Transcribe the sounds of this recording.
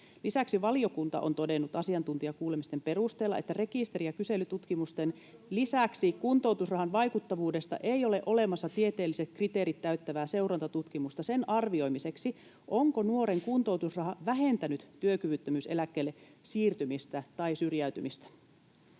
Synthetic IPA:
lisæksiʋɑlio̞kunt̪ɑ̰ʔo̞̰nt̪o̞de̞nːut̪ɑsiɑnt̪unt̪iɑkuːle̞mist̪e̞mpe̞rust̪eːlːɑ̰ʔḛt̪ːære̞kist̪e̞ɾiɑkyse̞lyt̪ut̪kimust̪en | lisæksikunt̪o̞wt̪usrɑhɑnʋɑjkut̪ːɑʋuːde̞st̪ɑ̰ʔeijo̞leʔo̞le̞mɑsːɑt̪ie̞t̪e̞ːlːise̞t̪̚krit̪eːɾit̪ːæyɥt̪ːæʋæːse̞uwɾɑnt̪ɑt̪ut̪kimust̪ɑse̞nʔɑrʋio̞jmise̞ksi | ʔoŋko̞nuo̞ɾeŋkunt̪owt̪usrɑɦɑʋæɦe̞nt̪ænyt̪ːyøkyʋyt̪ːømyːse̞̰lækːe̞ːlːesiːrt̪ymist̪æt̪ɑisyrjæyt̪ymist̪æ̥

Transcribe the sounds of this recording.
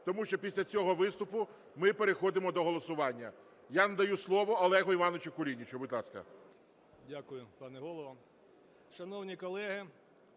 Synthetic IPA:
t̪ɔmuʃt͡ʃɔpʲisʲlʲɐt͡sʲɔɦɔʋɪst̪ʊpʊ | mɪpeɾexɔd̪ɪmɔd̪ɔɦɔlˠɔsʊʋɑnʲːɐ | janɐd̪ɐjuslˠɔʋɔːlˠɛɦɔiʋɑnɪt͡ʃʊkʊlʲinʲit͡ʃɔbʊd̪ʲlˠɑskɐ̰ | dʲakʊjʊpɑnɛɦɔlˠɔʋɐ | ʃɐnɔwnʲikɔlˠɛɦɪ

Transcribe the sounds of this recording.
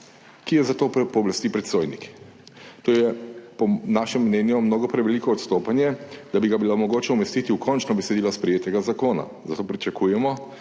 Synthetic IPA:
kijɛzat̪oːpɔːblast̪ipɾɛt̪soːjnḭk | t̪oːjɛpɔnaːʃɛmːnɛːnjumnoːɡɔpɾɛʋɛlikɔːt̪st̪oːpanjɛd̪abiɡabilomɔɡoːt͡ʃɛumɛst̪it̪iukʰɔnt͡ʃnɔbɛsɛd̪iːlɔspɾɛjeːt̪ɛɡazakoːna̰ | zat̪oːpɾit͡ʃakujɛmɔ

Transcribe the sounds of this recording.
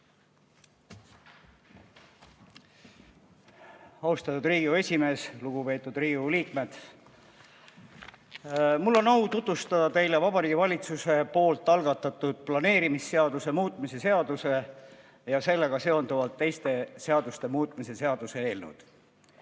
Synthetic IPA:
ɑust̪ɑt̪ːˑud̪riːɡiue̞sʲime̞ːsluɡ̥upe̞ːt̪ːˑud̪riːɡiuliːkme̞d̪̥ | mulːo̞nɑwt̪ut̪ust̪ɑd̪̥ɑt̪e̞jlevɑbɑɾiːɡ̥ivɑlʲit̪suse̞po̞ːlt̪ˑːɑlɡ̥ɑt̪ːˑɑt̪ːˑud̪̥̚plɑne̞ːɾimisːe̞ɑd̪use̞muːt̪ˑmise̞se̞ɑd̪̥use̞ | jɑse̞lːe̞ɡ̥ɑse̞o̞nd̪uvɑlt̪ːe̞jst̪e̞se̞ɑd̪ust̪e̞muːt̪ˑmise̞se̞ɑd̪̥use̞e̞ːlnṵd̪̥

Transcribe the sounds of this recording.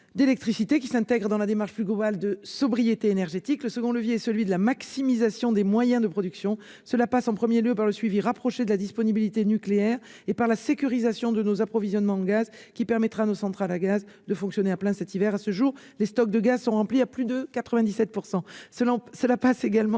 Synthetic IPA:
d̪elɛk̚t̪χisit̪ekʲi̥sɛ̃t̪ɛɡʁəd̪ɑ̃lad̪emaʁʃplyɡlɔbald̪əsɔbʁijet̪eːnɛʁʒet̪ikləsəɡɔ̃ləvjeɛsəlɥid̪əlamaksimizasjɔ̃d̪emwajɛ̃d̪əpχɔd̪yksjɔ̃ | səlapasɑ̃pχəmjeljøpaʁləsɥiviʁapχɔʃed̪əlad̪ispɔnibilit̪enykleɛʁ | epaʁlasekʲyʁizasjɔ̃d̪ənozapχɔvizjɔnmɑ̃ɑ̃ɡaz | kʲipɛʁmɛt̪χaːnosɑ̃t̪χalaɡaz | d̪əfɔ̃ksjɔneaplɛ̃sɛt̪ivɛʁasəʒuʁ | lest̪ɔk̚d̪əɡazsɔ̃ʁɑ̃pliaplyd̪əkat̪χəvɛ̃d̪isɛt̪̚puʁsɑ̃sə̃səlapaseɡalmɑ̃

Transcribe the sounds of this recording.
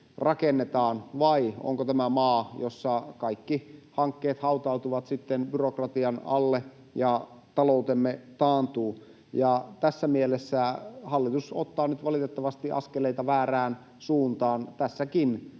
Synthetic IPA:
rɑkenːet̪ɑːnʋɑio̰ŋkot̪æmæmɑːjosːɑkɑikːihɑŋkːeːt̪hɑut̪ɑut̪uʋɑt̪sit̪ːenbyrokrɑt̪iɑnɑ̰lːe | jɑ | t̪ɑlout̪emːet̪ɑːnt̪uː | jɑt̪æsːæmielesːæhɑlːit̪uso̰t̪ːɑːnyt̪ʋɑlit̪et̪ːɑʋɑst̪iʔɑ̰skeleit̪ɑʋæːræːn | suːnt̪ɑːnt̪æsːækin

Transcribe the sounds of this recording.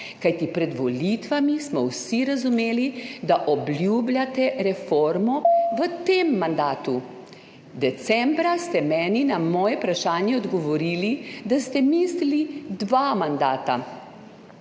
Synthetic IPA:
kajt̪ipɾɛd̪ʋɔlit̪ʋamismɔwsiɾazumeːlid̪aʔɔbljublʲjat̪ɛɾɛfoɾmɔʋət̪emːand̪aːt̪u | d̪ɛt̪sɛmbɾast̪ɛmɛːninamɔːjɛpɾaʃaːnjɛɔd̪ɡɔʋɔɾiːlid̪ast̪ɛmislilid̪ʋamand̪aːt̪a

